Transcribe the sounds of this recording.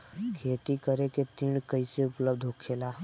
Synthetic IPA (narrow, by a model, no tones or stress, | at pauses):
kʰeːt̪ikəɾeket̪ĩːɽkəiseʊpləbd̪ʱɦoːkʰeːlaː